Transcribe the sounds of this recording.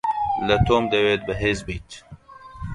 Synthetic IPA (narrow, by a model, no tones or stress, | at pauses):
lɐt̪ʰoːmd̪eweːt̪̚bəɦeːzbijt̪